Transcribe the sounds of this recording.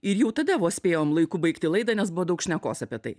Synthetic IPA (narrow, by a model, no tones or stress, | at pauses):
ɪɾjɛʊt̪ɐd̪ɐʋoːsʲpʲeːjoːmlˠɐɪkuːbɐɪkt̪ʲɪlˠɐɪd̪ɐnʲɛs̬bʊʋɔːd̪ɐʊkʃʲnʲɛkoːsɐpʲiɛt̪ɐɪ